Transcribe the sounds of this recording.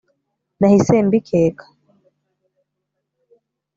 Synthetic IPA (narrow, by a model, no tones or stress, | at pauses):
nahisɛmbikʰɛːkḁ